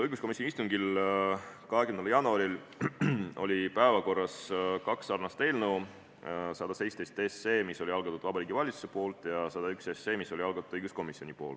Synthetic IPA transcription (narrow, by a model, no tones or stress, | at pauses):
ɤjɡusko̞misʲːonist̪uŋɡil | kɑɦekymnɑljɑnuɑɾil | o̞lʲipæevɑko̞rːɑskɑksːɑrnɑst̪e̞ːlnɤw | sɑd̪̥ɑse̞jtst̪e̞jst̪ese̞ːmiso̞lʲiɑlɡ̥ɑt̪ːud̪̥vɑbɑɾiːɡ̥ivɑlʲit̪su̥se̞po̞ːlt̪ˑjɑsɑd̪ɑyksesːe̞ːmiso̞liɑlɡ̥ɑt̪ud̪̥ɤjɡ̥usko̞misio̞nʲipo̞̰ːlt̪